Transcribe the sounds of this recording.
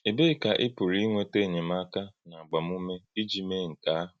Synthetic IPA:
e˨be˦˨ka˨ʔɪ˦pu˨ɾi˦ŋʷe˦te˦˨ɲe˨m˦a˦ka˦na˨a˨ɡ͡ba˨m˦u˦me˦i˦d͡ʒi˨me˦˨ŋ̩˨ka˦a˦ɦʊ

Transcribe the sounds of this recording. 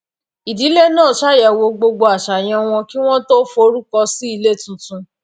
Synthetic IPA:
i˨di˨˦le˦nãː˦˨ʃa˦˨jɛ˨wo˧ɡ͡bo˧ɡ͡bo˧a˨ʃa˨j̃ɛ̃˧w̃ɔ̃˧ki˦w̃ɔ̃˦to˦fo˧˦ɾu˦kɔ˧si˦i˧le˦˨tũ˨˦tũ˧

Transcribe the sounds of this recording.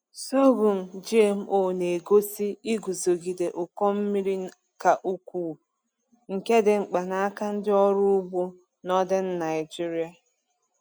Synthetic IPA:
so˦ɡu˨m̩˨d͡ʒi˦e˨m̩˦ʔo˨ne˨ɡo˦si˦i˦ɡu˨zo˨ɡi˨de˨ʔʊ˨kɔ˦m̩˦mi˦ɾi˦ | ka˨ʔu˦kʷuː˨ | ŋ̩˨ke˦dɪ˨ŋ͡m̩˨k͡pa˨na˦a˦ka˦n̩˦dɪ˦ɔ˦ɾʊ˦ʊ˦bu˦ | nɔ˦dɛ˦n̩˦na˨ɪ˨d͡ʒi˦ɾi˦a˨

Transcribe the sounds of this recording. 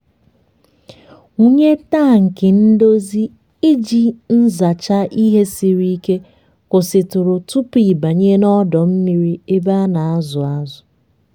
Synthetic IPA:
u˦ɲe˦ta˦˨ŋ̩˨kɪ˨n̩˦do˦zi˦ | i˦d͡ʒi˨n̩˦za˨t͡ʃa˦ʔi˦ɦe˦si˨ɾi˦i˦ke˦ | kʊ˨sɪ˨tʊ˨ɾʊ˨tu˦pi˨ba˨ɲe˦nɔ˦dɔ˨m̩˦mi˨ɾi˦e˦ba˦na˨a˦zʊ˨a˦zʊ˨

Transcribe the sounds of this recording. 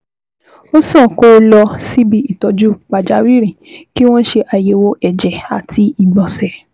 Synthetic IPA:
o˦sɔ̃˦˨ko˦lɔ˧si˦bi˦i˦˨tɔ˧d͡ʒu˦k͡pa˧d͡ʒa˨˦wi˦ɾ̃ĩ˨ki˦w̃ɔ̃˦ʃe˧ʔa˧je˧wo˧ʔɛ˨d͡ʒɛ˨a̰˨tʰi˧i˨ɡ͡bɔ̃˨sɛ˨

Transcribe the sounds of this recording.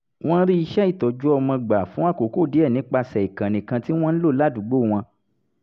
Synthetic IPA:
w̃ɔ̃˦n̩˦ɾi˦i˧ʃɛ˦i˦˨tɔ˨d͡ʒu˦ɔ˧mã˧ɡ͡ba˨fũ˨˦a˦˨ko˨ko˦˨di˨˦ɛ˦˨nĩ˨˦k͡pa˧sɛ˨i˨kã˨nĩ˨kã˧ti˦w̃ɔ̃˦n̩˦lo˦˨la˦du˨˦ɡ͡bo˦˨w̃ɔ̃˧

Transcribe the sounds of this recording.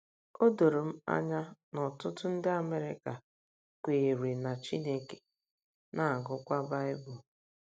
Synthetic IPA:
o˦do˨ɾo˨m̩˦a̰˦ɲa˦nɔ˨tʊ˦tʊ˦n̩˦dɪ˦a˨me˦ɾɪ̰˦ka˨ | kʷe˨ɾe˨na˨t͡ʃi˦ne˦ke̥˨ | na˦a˨ɡʊ˦kʷa˦ba˦ɪ˦bʊ˨

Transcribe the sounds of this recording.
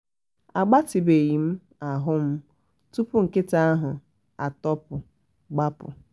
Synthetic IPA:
a˨ɡ͡ba˦ti˨be˨ɣi˨m̩˦ | a˨ɦʊ˦m̩˦ | tu˦pʊ˦ŋ̩˨kɪ˦ta˦a˦ɦʊ˨ | a̰˨tɔ˦pʊ˨ | ɡ͡ba˦pʊ̰˨

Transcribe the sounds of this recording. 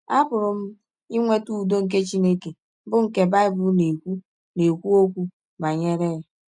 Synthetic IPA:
a˦bʊ˨ɾʊ˨m̩˦ | i˦ŋʷe˦tu˦˨do˦ŋ̩˨k̬e˦t͡ʃi˦ne˦ke˨˦ | bʊ˦ŋ̩˨ke˨ba˦ɪ˦bʊ˦ne˨kʷu˦ | ne˨kʷu˦o˦kʷu˦ | ba˨ɲe˦ɾe˦ja˨

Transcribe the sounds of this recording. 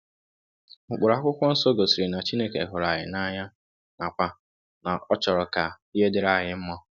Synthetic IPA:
m̩˨k͡pʊ˨ɾa˨kʷʊ˦kʷɔ˦n̩˦so˦ɡo˨si˨ɾi˨na˨t͡ʃi˦ne˦ke˨ɦʊ˨ɾa˨ɦɪ̰˨na˦ɲa˦ | na˨k͡pʷa˦ | na˨ɔ˦t͡ʃɔ˨ɾɔ˨ka˨ | i˦e˦dɪ˦ɾa˦˨ɦɪ˨m̩˦mɔ˦

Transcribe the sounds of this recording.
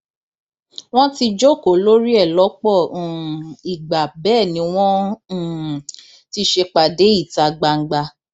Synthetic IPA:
w̃ɔ̃˦ti˧d͡ʒo˦˨ko˨lo˦ɾi˦ɛ˦˨lɔ˨˦k͡pɔ̃˦˨i˨ɡ͡ba˨bɛː˦˨nĩ˨˦w̃ɔ̃˦˨ | ti˧ʃe˧k͡pa˨de˨˦i˦˨ta˨ɡ͡ba˧ŋ̩˨ɡ͡ba˧

